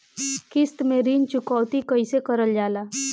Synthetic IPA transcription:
kɪst̪mẽɾiːnt͡ʃʊkɔːʋt̪ikɐɪsekɐɾəld͡ʒaːlaː

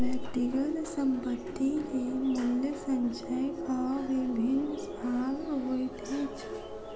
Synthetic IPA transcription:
ʋɛkʈɪkəlsə̃mpət̪ːilemɪljəsə̃ɲt͡ʃajkaʋɪbʱɪnsʰaːlɦoːit̪ʰit͡ʃʰi̥

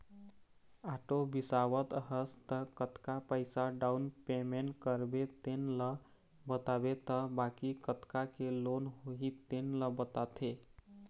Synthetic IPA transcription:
aʈobisawət̪əɦəst̪əkət̪kapəɪsaɖaunpemeɳʈkəɾbet̪enlə | bət̪abet̪əbakikət̪kakelonɦoɦit̪enləbət̪at̪ʰe

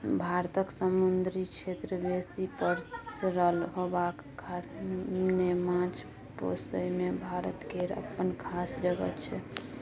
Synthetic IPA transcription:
bʱaɾt̪əksəmund̪ɾit͡ʃʰet̪ɾəbesipəɾsɾəlɦobakː | aɾnnemãt͡ʃʰ | po̰səmebʱaɾət̪keɾə̰pːənkʰasd͡ʒəɡə̰t̪t͡ʃʰɛ

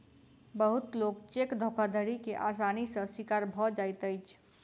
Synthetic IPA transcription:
bəɦut̪lok̚t͡ʃekd̪ʱokʰad̪ʱəɾikeʔasanisə̃sikaɾbʱɔd͡ʒajt̪əjt͡ʃʰ

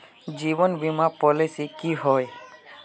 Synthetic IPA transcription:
d͡ʒibɔnbimapɔlisikiɦɔj

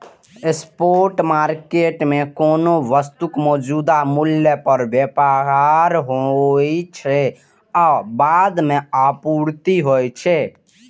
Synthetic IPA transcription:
espoɾʈmaɾkeʈmekonoʋəst̪ukmɔd͡ʒud̪amuljəpəɾbjepaɦaɾɦojt͡ʃʰɛ | abad̪meapuɾt̪iɦojt͡ʃʰɛ

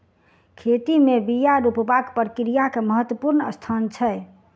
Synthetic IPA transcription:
kʰet̪imebijaɾupbakpəɾkɾijakeməɦət̪wəpuɾnəst̪ʰant͡ʃʰəj

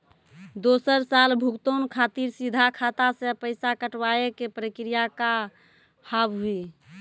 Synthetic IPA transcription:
d̪osəɾsalbʱukt̪onkʰat̪iɾsid̪ʱakʰat̪asẽpəɪsakəʈwaekepɾəkɾijaka | habɦui

